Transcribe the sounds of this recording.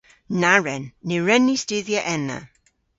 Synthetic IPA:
naɹɛnːeɹɛnistɪðjaʔɛna̰

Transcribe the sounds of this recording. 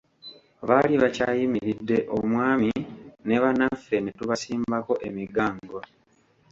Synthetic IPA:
βaliβacaːjimiɾidːe̞ʔo̞mwaːmine̞βanafːe̞netuβasiːmbako̞ʔemiɡaːŋɡo

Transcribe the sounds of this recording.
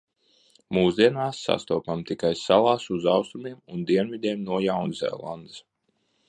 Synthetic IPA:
muːsd̪iɛnaːsːa̰st̪uɔpamt̪ikajsalˠaːsuzawst̪umiɛmund̪iɛnvid̪ʲiɛmnuɔjawnzɛ̰ːlˠa̰nd̪ɨs

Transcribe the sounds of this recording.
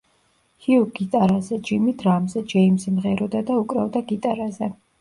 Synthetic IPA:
hiuɡit̪ʼaɾazɛd͡ʒimit̪ʰɾamzɛd͡ʒɛimsɛmʁɛɾɔd̪ad̪aukʼɾɛvd̪aɡit̪ʼaɾazɛ

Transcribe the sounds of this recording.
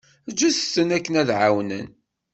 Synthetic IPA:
d͡ʒːussːənækːənæðʕawnə̰n

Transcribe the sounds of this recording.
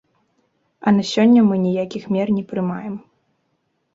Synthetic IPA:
ɐnɐsʲɔnʲːɐmɨnʲijakʲixmʲɛrnʲɛpɾɨmajɛm

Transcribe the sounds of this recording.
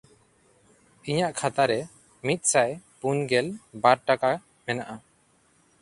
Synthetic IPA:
iɲaʔkʰat̪aɾɛ | mit̪̚ˀsajpunɡɛlbaɾʈaka | mɛnaʔa

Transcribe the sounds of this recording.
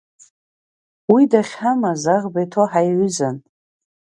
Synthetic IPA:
widaχʲħamazaʁbajtʰoħajʕʷʏzan

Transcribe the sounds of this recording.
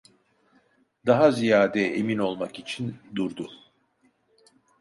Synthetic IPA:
d̪aɦazijaːd̪ɛḛmino̞lˠmakit͡ʃʰind̪uɾd̪u

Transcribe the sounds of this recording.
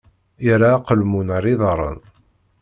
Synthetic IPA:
aɾaːqəlmunəɾiðˤɾˤə̰n

